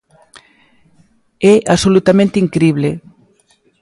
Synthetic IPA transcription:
ɛʔasolut̪amẽnt̪eiŋkɾiβ̞le

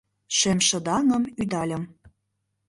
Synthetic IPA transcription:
ʃemʃɤ̆d̪ɑnɤ̆myd̪ɑlʲə̆m

